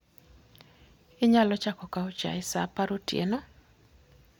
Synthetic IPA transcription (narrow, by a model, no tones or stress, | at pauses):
ɪɲalɔt͡ʃakɔkaot͡ʃa̰ɪsa̰paɾotjḛno